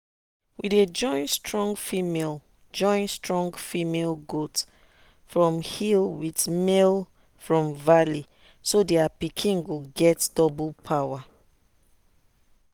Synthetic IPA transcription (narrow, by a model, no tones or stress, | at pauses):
wided͡ʒɔ̃ɪ̃nstɹɔ̃ŋɡfimel | d͡ʒɔ̃ɪ̃nstɹɔ̃ŋɡfimelɡot | fɹɔ̃mhilwidmel | fɹɔ̃mvali | sodeapikʰĩnɡoɡɛtdɔbulpʰawa